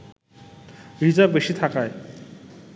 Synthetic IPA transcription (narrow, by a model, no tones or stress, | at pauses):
ɾid͡zabeɕit̪ʰakaj